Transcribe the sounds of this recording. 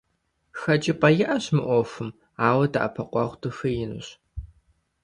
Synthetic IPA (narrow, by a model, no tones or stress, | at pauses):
xɐd͡ʒʼɪpʼɐjɪʔɐɕmɨʔʷɔfɨm | aːwɐda̰ʔɐ̰pʰɐqʷɑʁʷtʰɨfɨjɪnɨ̰ɕ